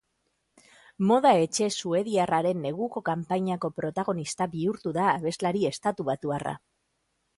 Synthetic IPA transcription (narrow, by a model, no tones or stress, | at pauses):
mo̞ð̞ae̞t͡ʃe̞sue̞ðiaraɾe̞nːe̞ɣ̞uko̞kampaɲako̞pɾo̞t̪aɣ̞o̞nist̪aβiuɾt̪uðaːβe̞zlaɾie̞st̪at̪uβat̪uara̰